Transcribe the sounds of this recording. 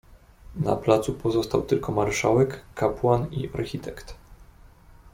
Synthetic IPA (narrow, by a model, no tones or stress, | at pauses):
na̰plat̪supɔzɔst̪awt̪ɘlkʰɔmaɾʂawɛkːapwanḭaɾxʲit̪ʰɛkt̪